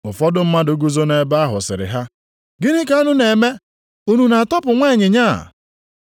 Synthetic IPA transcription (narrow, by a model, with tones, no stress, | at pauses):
ʊ˨fɔ˦dʊ˦m̩˦ma˦dʊ˦ɡu˦zo˦ne˨ba˦ɦʊ̰˨sɪ̰˨ɾɪ̰˨ɦa˦ | ɡɪ˦nɪ˦ka˨˦a˦nʊ˦ne˨me˦ | u˦nu˨na˨a˨tɔ˦pʊ˨ŋʷa˦˨ɲɪ˨ɲa̰˦˨